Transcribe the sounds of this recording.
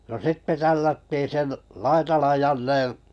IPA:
no sitːe tælːætːiːn sen lɑitɑlɑn jɑnːẽː

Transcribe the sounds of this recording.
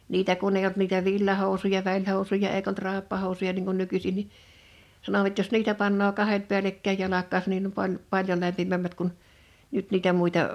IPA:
niːtæ kun eij olt niːtæ ʋilːɑhoˑusujɑ ʋælʲhoˑusujɑ eik olt rɑˑepːɑhoˑu̞sujɑ niŋ kun nykysin ni sɑnoʋɑt jos niːtæ pɑnːoː kɑhet pi̞ælekːæij jɑlɑkˑɑːsɑn nim pɑn pɑljo læmpimæmːæt kun nyt niːtæ muˑitɑ

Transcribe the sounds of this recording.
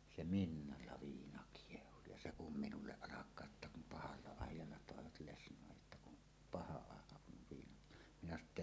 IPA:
ʔse minːɑlːɑ ʋiːnɑ kiehu jɑ se kum minulːeʔ ʔɑlɑkˑɑː ʔetːæ kum pɑhɑlːɑ ɑˑijˑɑlːɑ toˑeʋɑt lesnˑoˑej jotːɑ kun pɑhɑ ɑˑekɑ kun ʋiːnɑt minæ sɑno tː

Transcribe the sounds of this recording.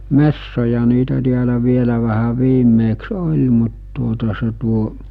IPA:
mesːojɑ niːtæ tiælæ ʋielæ ʋæhæ ʋiːmːeːks olʲ mut tuotɑ se tuo

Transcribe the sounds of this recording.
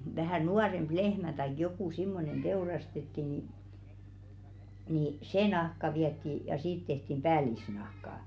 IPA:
ʋæhæˑ nuɑremb̥ lehmæ tɑik jokuˑ simːonen d̥eurɑstetːi ni ni se nɑhkɑ ʋiɛtːi jɑ siːt tehtim b̥æːlisnɑhkɑˑ

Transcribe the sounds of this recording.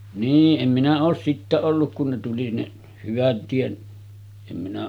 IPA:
niːʔ ʔem minæ oːs sitːæ olːuk kun ne tuli ne hyʋæt tiet em minæ

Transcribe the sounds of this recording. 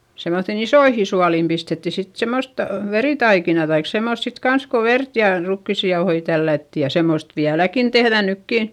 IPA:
semːoθːin isoihi suɑliˑm pistetːi sit semost ʋeriˑtɑikinɑ tɑik semːost sit kɑns ko ʋert jɑˑ rukːisːi jɑohoi tælːætːi jɑ semːost ʋiælækin tehðæ nykːiˑn̞

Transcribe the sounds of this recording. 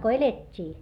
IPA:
ko eletʲːiː

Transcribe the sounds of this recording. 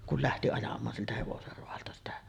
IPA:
kul læhti ɑjɑmˑɑːn siltæ heʋoser roɑltɑ sitæ

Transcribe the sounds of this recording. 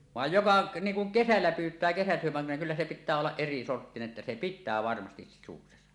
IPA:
ʋɑˑej jokɑ niːŋ kuŋ kesælːæ pyːtˑæː kesæsyømːelːæ kylːæ se pitˑæː olːɑʔ ʔerisortːineʔ ʔetːæ se pitːæː ʋɑrmɑstis sisuksesɑ

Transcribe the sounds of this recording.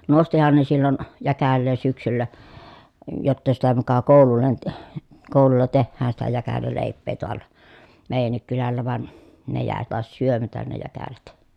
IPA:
nostihɑn ne silːon jækælːeː syksylːæ jotːɑ sitæ mukɑ koˑululːen t koˑululːɑ tehːæːn sitæ jækælæleˑipˑeː toɑlˑɑ meˑi̯jænːik kylælːæ ʋɑn ne jæˑe tɑˑes syømætæn ne jækælæt

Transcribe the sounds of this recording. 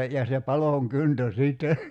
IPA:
jɑ se pɑloˑŋ kyntø siːtːe

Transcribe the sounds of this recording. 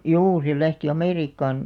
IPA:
juː se læhti ɑmeˑriːkːɑːn

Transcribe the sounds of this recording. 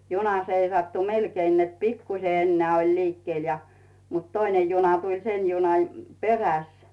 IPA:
junɑ seisɑtːu melkein net pikːuse enːeæˑ olʲ liːkːĭel jɑ mut toinen̞ junɑ tulʲ sen̞ junɑj peræs

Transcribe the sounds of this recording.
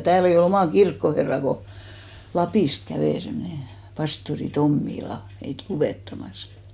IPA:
tæːl ei ol omɑˑ kirkːoherːɑˑ ko lɑpiˑst kæʋeˑ semneˑ pɑstori tomːilɑ meit luʋeˑtːɑmɑs

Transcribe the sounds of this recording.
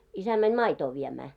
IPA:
isæ mænʲ mɑitoː ʋiemæː

